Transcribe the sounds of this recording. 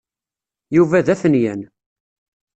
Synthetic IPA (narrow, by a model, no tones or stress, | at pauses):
juvæðæθənjæn